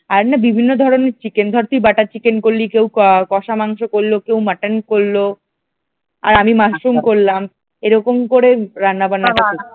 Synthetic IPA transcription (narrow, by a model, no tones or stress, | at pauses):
aɾnabibʱinːod̪ʱɔɾoneɾt͡ɕikend̪ʱɔɾt̪ibaʈat͡ɕikenkoɾlikewkkɔʃamaŋʃokolːokewmaʈankoɾːo | a̰ɾamimaʃɾumkoɾlam | eɾɔkomkoɾeɾanːabanːakako